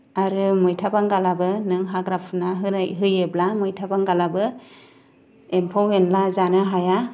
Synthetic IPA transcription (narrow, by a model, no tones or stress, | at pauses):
aɾɯmɯjtʰabaŋɡalabɯnɯŋɦaɡɾapʰɯnaɦɯnajɦɯjeblamɯjtʰabaŋɡalabɯ | empʰawenlazanɯɦaja